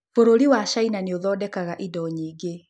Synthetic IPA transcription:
foɾoɾiwaʃainaneoðɔdɛkaɣaʔidɔɲiːɡe

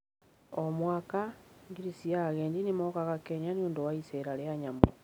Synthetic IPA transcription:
omwaːkaŋɡiɾisiaɣeːɲdinimokaɣakeɲanioːndowaiseɾaɾeaɲamu

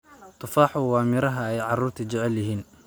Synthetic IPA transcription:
t̪ʰʊfaːħʊwɑːmɪɾɐɦɐɛjʕɑruːrt̪ʰɐt͡ʃɛʕɛljɐɦiːn

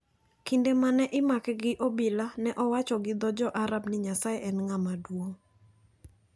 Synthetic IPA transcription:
kindemanɛʔɪmakɛɡɪʔobilanɛʔɔwat͡ʃɔɡɪd̪ɔd͡ʒɔʔaɾabnɪɲasaɛʔɛnŋamadwoŋ

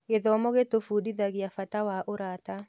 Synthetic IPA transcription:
ɣeðɔmɔɣetofudiðaɣeafatawaʔoɾata

